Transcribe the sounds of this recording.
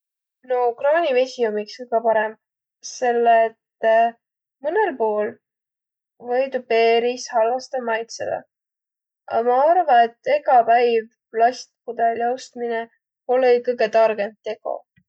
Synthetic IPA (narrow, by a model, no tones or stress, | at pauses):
nokrɑːnʲivesʲiumikskɤjɡ̥ɑpɑɾem | se̞lːet̪ː | mɯnelpo̞ːl | vɤjd̪upe̞ːɾishɑlvɑst̪ɑmɑjt̪sḛd̪̥ɑ̰ | ɑ̰mɑɑrvɑet̪ːˑe̞ɡɑpæjv | lɑsʲt̪̚kud̪eljɑwst̪mine | olejkɤjɡe̞t̪ɑrɡ̥ent̪ːe̞ɡo̞̰